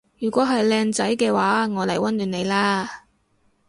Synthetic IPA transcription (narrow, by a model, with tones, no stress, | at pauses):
jyː˨˩kʷɔː˨˥ɦɐ˨jlɛː˧ŋt͡sɐ˨˥jkɛː˧waː˨˥ŋɔː˨˧lɐ˨˩jwɐ˥nlyː˨˧ne˨˧jlaː˥